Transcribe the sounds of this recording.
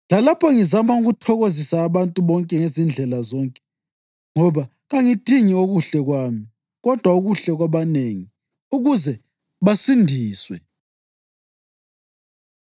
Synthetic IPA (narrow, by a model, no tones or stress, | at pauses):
lalapʰɔŋizamauɣutʰɔɣozisaːβantʼuβɔŋkʼɛŋezind͡ɮʱɛlazɔŋkʼɛ̥ | ŋɔβa | ɣaŋid̥ʱiŋioɣuɬɛɣwaːmi | ɣɔd̥ʱwauɣuɬɛɣwaβaneːŋi | uɣuzɛ | βasindʱiːswɛ